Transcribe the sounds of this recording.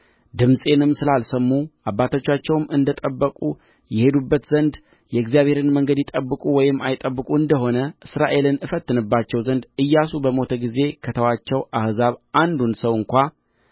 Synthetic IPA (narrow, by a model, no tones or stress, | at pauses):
d̪ɨmsʼe̞nɨmːsɨlalsəmːuʔabːat̪ʰo̞t͡ʃːat͡ʃːɛwmɨnd̪ət̪ʼəbːəkʼu | jɛhe̞d̪ubːət̪zənd̪ | jɛɡzijaβhe̞ɾɨnməŋɡəd̪jɪt̪ʼəbːɨkʼuwɔjɪmːajɪt̪ʼəbːɨkʼuɨnd̪əɦo̞nəʔɨsɾaʔe̞lɨnɨfət̪ːɨnɨbːat͡ʃːɛwzənd̪ɨjːasubəmo̞t̪ʰəɡize̞kʰət̪ʰəwat͡ʃːɛwʔahzaβʔand̪unsəwɨŋkʷa